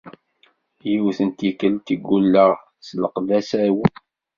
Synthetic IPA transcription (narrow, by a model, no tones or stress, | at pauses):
jiwθənt̪ikəlt̪iɡːulːəʁ | sləqðæsæw